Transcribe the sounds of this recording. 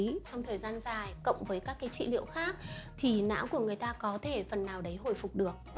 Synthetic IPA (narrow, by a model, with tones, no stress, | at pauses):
i˨˦t͡ɕɔ˧wŋ͡mt̪ʰəː˨˩jzaː˧nzaː˨˩jkə̰˧˨wŋ͡mvəː˨˦jkaː˦˥kːaː˨˦jt͡ɕḭ˧˨lḭ˧əwxaː˦˥k̚t̪ʰi˨˩na̰ː˧˥wku˧˩əŋɨ˨˩əjt̪aː˧kɔ˨˦t̪ʰe˧˩fə˨˩nːaː˨˩wɗə˨˦jɦo̰˧˩jfʊ˨˩k͡p̚ɗɨ˨˩ək̚